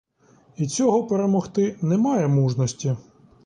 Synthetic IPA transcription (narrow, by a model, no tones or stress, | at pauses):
it͡sʲɔɦɔpeɾemɔxt̪ɪnɛmɑjɛmuʒnɔsʲtʲi